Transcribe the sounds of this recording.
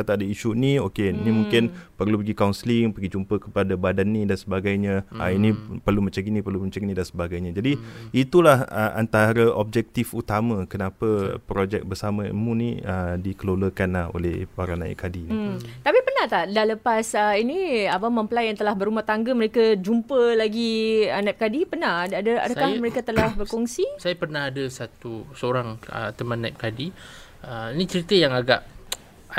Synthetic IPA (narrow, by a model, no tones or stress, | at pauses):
at̪aadəiʃuniokeinimũŋkɪnpərlupəɡikaunslɪŋpəɡid͡ʒumpəkə̥padabadanːĩdansəbaɡajɲə̃ə̰inĩpərlumə̃ɲt͡ʃəɡinĩpərluməɲt͡ʃəɡinĩdansəbaɡajɲə̃d͡ʒadiit̪ulahəʔa̰nt̪aɾəʔɔb̚d͡ʒɛk̚t̪ifut̪amə̃kənapəpɾod͡ʒɛk̚bərsamə̃mũnḭədikəloləkanlaho̰lɛhpaɾanãjɪ̰ʔkadin̩t̪apipərnaht̪adaləpasəinĩabaməmpəlajaŋt̪əlahbəɾumaht̪aŋɡəməɾekad͡ʒumpəlaɡiənap̚kadipərnahddəa̰dakahməɾekat̪əlahbərkɔŋsisajapərnaɦadəsat̪usəoɾaŋə̰t̪əmanːap̚kadi | əinit͡ʃəɾit̪əjaŋaɡaʔ